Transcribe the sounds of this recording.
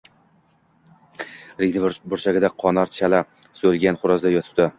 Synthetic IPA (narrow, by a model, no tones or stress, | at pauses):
ɾɪɡʲnɪbʊɾt͡ʃaɡʲɪd̪aqʰɒnaɾt͡ʃʰala | solˠɡʲanχʊɾɒzd̪ajɒt̪ʰɪ̥p̚d̪ɪ